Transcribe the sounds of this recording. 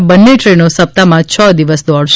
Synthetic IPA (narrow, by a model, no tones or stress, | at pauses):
bənːeʈɾenosəp̚t̪amãt͡ʃʰəd̪iʋəsd̪ɔɽʃ